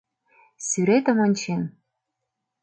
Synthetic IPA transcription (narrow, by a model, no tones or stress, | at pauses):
syɾet̪ɤ̆mɤnʲt͡ɕen